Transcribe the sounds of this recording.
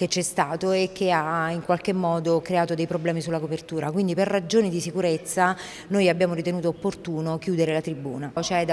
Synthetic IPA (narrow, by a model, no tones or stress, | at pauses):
ket͡ʃːɛst̪aːt̪oek̟ːeaiŋkwalkemːɔːd̪okɾeaːt̪od̪ejpɾoblɛːmisulːakopert̪uːɾakwind̪iperrːad͡ʒoːnid̪isikuɾet̪sːa | noːjabːjaːmoɾit̪enuːt̪̬oːpːort̪uːnok̟juːd̪eɾelat̪ɾibːuːnat͡ʃɛd̪a